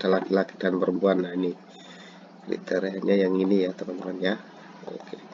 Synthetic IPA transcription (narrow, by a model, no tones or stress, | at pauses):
talakilaki̥danpəɾəmpuanːaini | kɾḭt̪eɾeaɲajaŋinijat̪amant̪əmanja | o̰ke